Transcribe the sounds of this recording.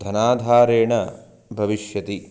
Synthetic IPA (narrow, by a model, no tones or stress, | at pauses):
d̪ʱɐnaːd̪ʱaːɾeːɳɐ | bʱɐʋiʃjɐt̪i